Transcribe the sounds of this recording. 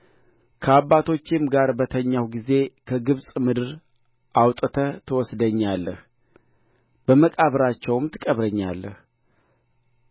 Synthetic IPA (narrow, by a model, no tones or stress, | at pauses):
kʰəaβːat̪ʰo̞t͡ʃːɪmɡaɾbət̪ʰəɲːawɡize̞kʰəɡɨβsʼmɨd̪ɨɾ | ʔawt̪ʼət̪ʰət̪ʰəwɔsd̪əɲːalːəh | b̥əməkʼaβɾat͡ʃːɛwmt̪ʰɨkʼəβɾəɲːa̰lːəh